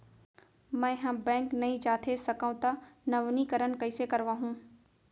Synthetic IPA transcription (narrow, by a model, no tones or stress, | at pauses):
mɛ̃ɦãːbɛ̃ːŋknɐĩt͡ʃaːt̪ʰesɐkaũt̪ɐnɐʋnikɐɾən̆kɐɪsekɐɾʋaːɦũː